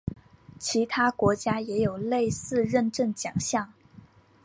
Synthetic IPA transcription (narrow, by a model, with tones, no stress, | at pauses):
t͡ɕʰi˧˥t̪ʰa˥kwɔ˧˥t͡ɕja˥jɛ˧˥jo˨˩ʊle˥˧ɪsɹ̩˥˧ɻə˥˧nʈ͡ʂə˥˩nt͡ɕjɑ˨˩ŋɕjɑ˥˩ŋ